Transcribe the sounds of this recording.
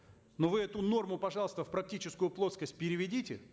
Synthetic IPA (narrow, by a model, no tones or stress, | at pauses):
novɨɛt̪ʊno̞rmʊpɐʐɑlˠst̪əfpɾɐk̚tʲit͡ɕɪskʊjʊplˠo̞t̪skəsʲt̚ʲpʲɪɾʲɪvʲɪdʲitʲɪ